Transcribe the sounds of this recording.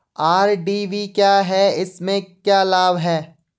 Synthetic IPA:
aːɾɖiːʋikjaːɦɛɪsmẽkjaːlaːbɦɛː

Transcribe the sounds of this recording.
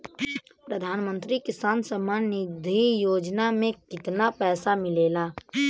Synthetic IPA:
pɾəd̪ʱaːnmə̃nt̪ɾikɪsaːnsəmaːnɪd̪ʱijoːd͡ʒnamẽkɪt̪napɛːsamɪleːlaː

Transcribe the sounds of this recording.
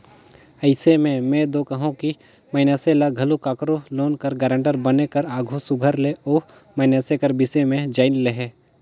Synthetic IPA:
əɪsemẽmẽd̪oːkəɦũki | mɐɪnjaːselaɡʱɐlokaːkɾoloːnkəɾɡaːɾə̃ɳʈəɾbɐnekɐɾaːɡʱosʊɡʱəɾleoː | mɐɪnjaːsekəɾbɪsemẽd͡ʒaːɪnleɦeː

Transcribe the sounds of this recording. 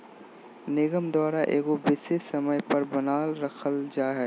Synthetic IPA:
nɪɡəmd̪ɔːɾaʔeːɡobɪsesɐməjpɐɾbɐnaːlɾɐkʰəld͡ʒaːɦɛː

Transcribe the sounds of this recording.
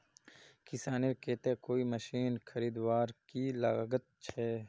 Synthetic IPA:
kɪsaːneɾkeːt̪ẽkoːiməʃiːnxʰɐɾiːd̪waːɾkila̰ɡət̪̚t͡ʃʰɛː

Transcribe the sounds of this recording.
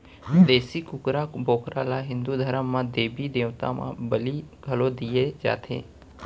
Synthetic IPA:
d̪eːsɪkʊkɾaboːkɾalaɦɪ̃nd̪ud̪ʱəɾəmːãd̪eːbid̪eːʋt̪a̰mã̰bəliɡʱəlod̪ijed͡ʒa̰ːt̪ʰḛː

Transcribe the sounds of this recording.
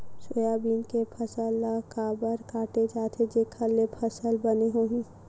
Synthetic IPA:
sojabiːnkepʰəsəlːakaːbəɾkaːʈed͡ʒaːt̪ʰed͡ʒekʰəlːepʰəsəlbəneɦoːɦĩ

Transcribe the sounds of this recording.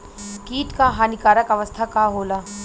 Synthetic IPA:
kiːʈkaɦaːnɪkaːɾəkɐʋəst̪ʰakaɦoːlaː

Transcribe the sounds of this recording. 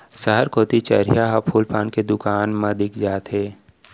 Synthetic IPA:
səɦəɾkʰoːt̪it͡ʃə̰ɾijaɦapʰuːlpʰaːnked̪ʊkaːnmɐd̪ɪkd͡ʒaːt̪ɦeː

